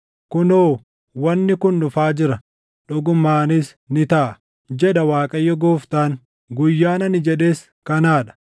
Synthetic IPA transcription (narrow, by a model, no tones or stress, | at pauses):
kʊnoː | wɐnːɪkʊnːʊfaːd͡ʒɪɾɐ | ᶑʊɡʊmːaːnis | nɪt̪ɐʔɐ | d͡ʒɛᶑɐwaːkʼɐjːɔɡoːft̪aːŋ | ɡʊjːaːnɐnɪd͡ʒɛᶑe̞ːs | kɐnaːᶑɐ̥